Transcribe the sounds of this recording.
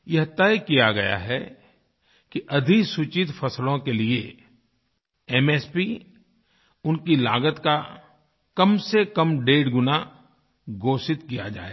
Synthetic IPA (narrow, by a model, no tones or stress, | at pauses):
jɐɦt̪ɛjkijaɡɐja̰ɦɛ | kiʔɐd̪ʱiksut͡ʃɪt̪fɐslõkelie | ɛmɛːspi | ʊnkilaːɡət̪ka | kɐmsekɐmɖeːɽɡʊna | ɡoːsɪt̪kijad͡ʒa̰ːḛː